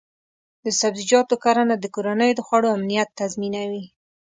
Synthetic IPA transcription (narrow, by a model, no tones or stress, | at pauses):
d̪əsabzid͡ʒɑt̪okaɾanad̪əkoɾanəjod̪əxwaɽoamnijat̪ːazminawi